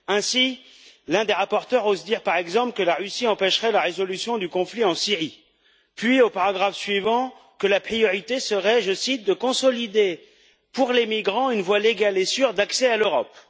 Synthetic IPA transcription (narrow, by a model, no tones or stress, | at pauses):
ɛ̃si | lɛ̃d̪eʁapɔʁt̪œʁozd̪iʁpaʁɛɡzɑ̃pləkəlaʁysiɑ̃pɛʃʁɛlaʁezɔlysjɔ̃d̪ykɔ̃fliɑ̃siʁi | pɥiopaʁaɡʁafsɥivɑ̃ | kəlapχijɔʁit̪esəʁɛʒəsit̪̚d̪əkɔ̃sɔlid̪e | puʁlemiɡʁɑ̃ynvwaleɡalesyʁd̪aksɛaløʁɔp